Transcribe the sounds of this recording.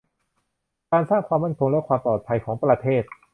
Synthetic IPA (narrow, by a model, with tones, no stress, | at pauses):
kaː˧nsaː˥˩ŋkʰwaː˧mːa˥˩nkʰo˧nlɛː˦˥kʰwaː˧mplɔː˨˩t̪̚pʰa˧jkʰɔː˩˦ŋpɾa˧t̪ʰeː˥˩t̪̚